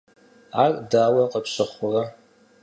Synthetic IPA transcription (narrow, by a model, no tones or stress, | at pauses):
ardaːwɐqʼəpɕɐχʷʊra